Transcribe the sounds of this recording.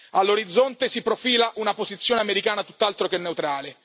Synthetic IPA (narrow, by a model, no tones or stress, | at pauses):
alːoɾid̪zːont̪esipɾofiːlaʔunapozit̪sːjoːneameɾikaːnat̪ut̪ːalt̪ɾokenːeut̪ɾaːle